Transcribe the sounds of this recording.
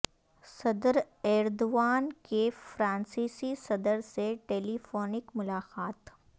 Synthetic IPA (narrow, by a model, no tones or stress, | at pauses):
sɐd̪əɾ | ɛːɾd̪oʋaːnkefɾãːnsiːsisɐd̪əɾseʈeːlifoːnɪkmʊlaːqaːt̪